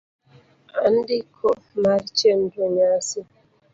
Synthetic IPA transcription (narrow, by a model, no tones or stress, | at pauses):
an̩dikʰɔmaɾit͡ʃen̩doɲasi